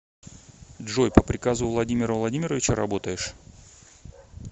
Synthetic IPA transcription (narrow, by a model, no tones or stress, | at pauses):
ʐojpəpɾʲɪkazʊvlˠɐdʲimʲɪɾəvlˠɐdʲimʲɪɾəvʲɪt͡ɕəɾɐbo̞t̪əjɪʂ